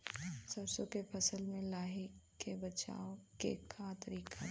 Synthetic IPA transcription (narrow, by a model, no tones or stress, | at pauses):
sɐbsokepʰɐsəlmẽlaːɦikebɐt͡ʃa̰ːokḛkʰat̪ɐɾiːkʰa